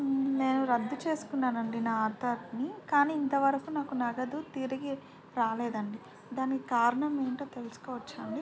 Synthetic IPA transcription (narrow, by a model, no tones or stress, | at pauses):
ne̞ːnuɾɐd̪ːut͡ʃe̞ːsu̥kunːaːnɐɳɖinaaːt̪ɐɾnikaːniːint̪ɐʋɐɾɐkunaːkunɐɡɐd̪ut̪iɾɐɡi | ɾaːleːd̪ɐɳɖi | d̪aːnikikaːɾɐɳɐmeːɳʈo̞ːt̪e̞lusu̥kɔːʋɐt͡ʃːɐːɳɖi